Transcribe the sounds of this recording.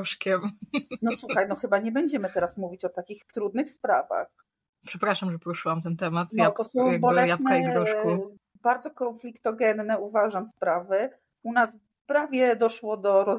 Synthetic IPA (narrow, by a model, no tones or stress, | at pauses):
ʂkʲɛmnɔswuxajnɔxɘbaɲɛbɛɲd͡ʑɛmɘt̪ɛɾasmuvʲit͡ɕɔt̪akʲixt̪ɾud̪nɘxspɾa̰va̰x | pʂɛpɾaʂamʐɛpɔɾuʂɘwamt̪ɛnt̪ɛmat̪nɔt̪ɔsɔ̃w̃bɔlɛjat̪nkɛaiɡɾɔʂku | baɾd̪zɔkɔnflʲikt̪ɔɡɛnːɛuvaʐamspɾavɘ | unas | pɾavʲjɛd̪ɔʂwɔd̪ɔɾɔ